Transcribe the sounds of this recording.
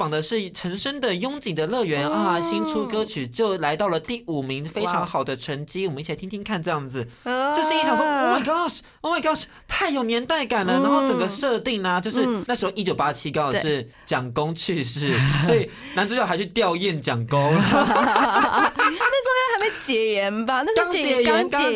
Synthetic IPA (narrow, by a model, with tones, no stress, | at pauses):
fɑ˨˩ŋd̪ə˦ʂɻ̩˥˩ʈ͡ʂʰə˧˥ŋʂə˥nd̪ə˨jʊ˥ŋt͡ɕi˨˩ŋd̪ə˦lɤ˥˩ɥɛ˧˥na˥˩ɕi˥nʈ͡ʂʰu˥kɤ˥t͡ɕʰy˨˩t͡ɕjo˥˩ʊla˧˥ɪt̪ɑ˥˩ʊlə˩t̪i˥˩u˨˩mi˧˥ŋfe˥ɪʈ͡ʂʰɑ˧˥ŋxɑ˨˩ʊd̪ə˦ʈ͡ʂʰə˧˥nt͡ɕi˥wɔ˨mə˦˥t͡ɕʰt̪ʰi˥t̪ʰi˥ŋkʰa˥˧nʈ͡ʂɤ˥˧jɑ˥˩ŋd͡zɹ̩˨˩jo˥˧ʊʂɻ̩˥˧i˥˩ʈ͡ʂʰɑ˨˩ŋʂwɔ˥˧ma˧ɪɡɑ˥˩ʂ | ɔ˥˧ma˧˩ɡɑ˥˩ʂ | t̪ʰa˥˩ɪjo˨˩ʊnjɛ˧˥nt̪a˥˩ɪka˨˩nlə˦˩na˧˥xo˥˩ʈ͡ʂə˨˩ŋɡə˦ʂɤ˥˧t̪i˥˩ŋnə˨t͡ɕjo˥˧ʊʂɻ̩˥˧˩na˥˩ʂɻ̩˧˥xo˧ʊi˥t͡ɕjo˨˩ʊpa˦˥t͡ɕʰi˥kɑ˥ŋ˨˧˩ʂɻ̩˥˩ | t͡ɕjɑ˨˩ŋkʊ˥ŋt͡ɕʰy˥˧ʂɻ̩˥˩swɔ˧˥i˨˩ | na˧˥nʈ͡ʂt͡ɕjxa˧˥ɪt͡ɕʰy˥˧t̪jɑ˥˧ʊi˥˩nt͡ɕjɑ˨˩ŋko˥ŋ | ne˥˩t͡sʊ˥ŋɛ˧˥nxa˧˥me˧˥t͡ɕjɛ˨˩jɛ˧˥nba˧na˥˧˥ŋɛ˧˥ɛ˧˥n˥